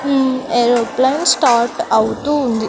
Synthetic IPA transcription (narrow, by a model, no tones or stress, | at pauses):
eɾoplɐnsʈaːɾʈɐwut̪uːnd̪i